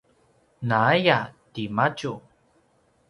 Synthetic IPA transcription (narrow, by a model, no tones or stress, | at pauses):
naajatimat͡ʃu